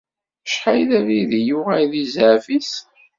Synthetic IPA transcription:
ʃħajðæviðijuʁæjðizʕfis

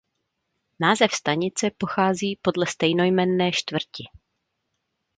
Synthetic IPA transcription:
naːzɛfst̪aɲɪt͡sɛpo̞xaːziːpo̞dlɛst̪ɛjno̞jmɛnːɛːʃt̪vr̩cɪ

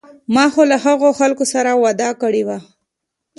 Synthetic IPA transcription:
mɑxolaɦaɣoxalkosaɾawad̪ɑkəɽewa

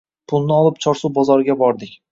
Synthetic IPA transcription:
pʰʊlˠnɪɒlˠɪp̚t͡ʃʰɒɾsuwbɒzɒɾɪɡʲabɒɾd̪ɪkʲ

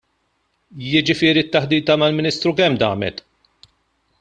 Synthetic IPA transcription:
jɪd͡ʒɪfɪːɾit̪ːɐħd̪iːt̪ɐmɐlmɪniːst̪ɾukɛmd̪ɐ̰ːmɛt̪

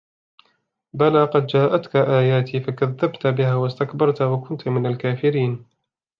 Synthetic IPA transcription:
balaːqɑd̪d͡ʒaːʔat̪kaʔaːjaːt̪ʰiːfakaðːabt̪bɪhaːwast̪akbɑɾˤt̪awakʊnt̪mɪnalkaːfɪɾiːn

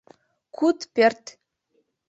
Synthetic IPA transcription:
kʰut̪pʲert̪

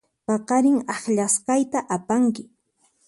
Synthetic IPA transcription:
pɑqɑɾɪŋɑχʎasqɑjt̪aʔapaŋkɪ

